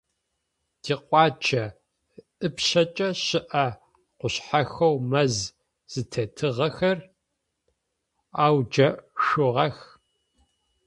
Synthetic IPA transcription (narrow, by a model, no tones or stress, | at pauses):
d̥iːqʷʼɑːt͡ʃʰɐ | ʔɨpɕɐt͡ʃʼɐɕɪʔɐ | qʷʊɕħaxɐwmɐz | z̥ɨtʰɐtʰɨʁɐxɐr | aːwd͡ʒɐʂʊʁɐx